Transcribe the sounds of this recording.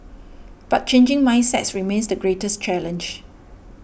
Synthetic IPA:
b̥at̚t͡ʃẽnd͡ʒɪ̃ŋmãj̃nsɛ̰tsɹimẽnsdəɡɹetəst͡ʃɛlə̃nd͡ʒ

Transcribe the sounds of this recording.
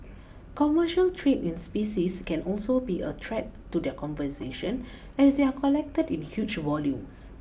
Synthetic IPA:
kɔməʃəltʰɹẽnĩnspisiskɛ̃nɔlsobiʔə̰tʰɹɛtːudɛkʰɔ̃mvəseʃə̃n | ɛsdeakʰɔlɛk̚tədĩnhjut͡ʃvɔljũms

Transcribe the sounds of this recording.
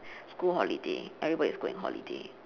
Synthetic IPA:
skulɦɔlideʔɛɹibɔdiskulḭ̃ŋɦɔ̰lḭde

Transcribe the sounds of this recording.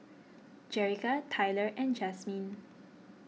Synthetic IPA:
d͡ʒɛɹikatʰajləɹʔɛ̃nd͡ʒɛsmĩn

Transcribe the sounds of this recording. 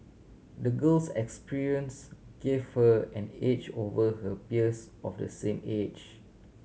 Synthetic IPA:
dəɡəlsɛkspiɹiə̃nsɡ̥evhəɛ̃net͡ʃovəɦəpiəsɔfdə̰sẽmed͡ʒ

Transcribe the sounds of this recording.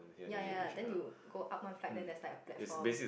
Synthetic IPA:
jajadɛ̃njuɡoʔap̚mãnflak̚dɛ̃ndɛslakəplɛ̰tisɔbesi

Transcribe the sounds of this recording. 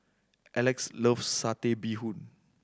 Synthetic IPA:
ʔɛlɛksləfsat̪ebihũn

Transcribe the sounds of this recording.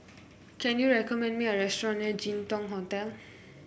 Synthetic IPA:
kɛnuɹɛkʰɔmɛ̃nmiaɹɛstɔɹɔ̃nɛɹd͡ʒintɔŋɦɔtɛl

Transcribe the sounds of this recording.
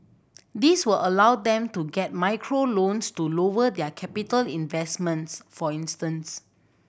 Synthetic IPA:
diswəlʔəlawdɛ̃mtuɡɛt̚maɪkʰɹolõnstulowədɛəkʰɛpitəlĩnvɛsmə̃ntsfɔĩnstə̃ns

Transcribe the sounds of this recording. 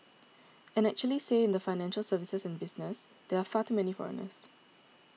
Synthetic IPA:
ɛ̃nɛk̚t͡ʃuəliseɪ̃nd̪əfaɪnɛ̃nʃəlsəvisəsɛ̃nbɪsnəs | d̪eafatumɛnifɔ̰ɹə̰nə̰s

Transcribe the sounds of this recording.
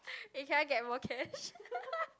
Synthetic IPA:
ikʰɛ̃nɡɛt̚mɔkʰɛʃ

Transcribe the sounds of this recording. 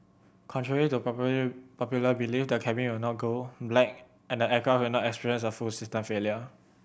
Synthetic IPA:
kʰɔ̃ntʰɹɛɹilitu | pɔpjuləbilifdəkʰɛbĩŋwilnɔt̚ɡoblɛk̚ | ɛ̃ndəɛkawinɔtɛkspiɹiə̃nsəfusistə̃mfeljə

